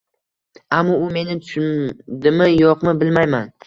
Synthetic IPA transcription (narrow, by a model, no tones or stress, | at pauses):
amːɒʊme̞nɪt̪ʰʊʃd̪ɪmɪjɒqmɪbɪlmajman